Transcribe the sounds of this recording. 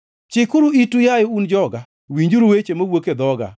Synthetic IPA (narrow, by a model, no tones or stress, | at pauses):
t͡ʃɪkʊɾuitujajɔund͡ʒɔɡa | wiɲd͡ʒuɾuwet͡ʃemowoked̪ɔɡa̰